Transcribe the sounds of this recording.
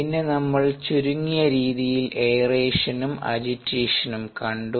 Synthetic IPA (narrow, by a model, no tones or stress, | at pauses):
inːe̞nɐmːɐɭt͡ɕuɾuŋːijɐɾiːðijilʔejreːʂɐnumɐ̰d͡ʑitːeːʂɐnumkɐɳɖu